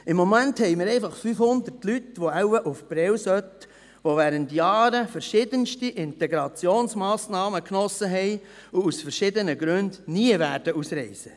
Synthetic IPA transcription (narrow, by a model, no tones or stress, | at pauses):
ɪmːomænthɛɪmɪɾɛɪfɑχfyfhʊnd̪ətlytʋoæʊəʔufb̥ɾɛwsœt | ʋoʋæːɾəntjɑːɾəfəɾʃɪdənʃtiʔɪnteɡɾɑt͡sjoːnsmɑːsnɑːməknɔsːəɦɛɪ | ʊusfəɾʃɪd̪ənəɡɾʉndniəvæːɾd̥əusɾɛɪsə